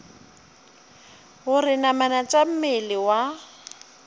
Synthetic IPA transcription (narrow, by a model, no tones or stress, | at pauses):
ɣʊrɪnamanat͡ʃʼam̩melɪwa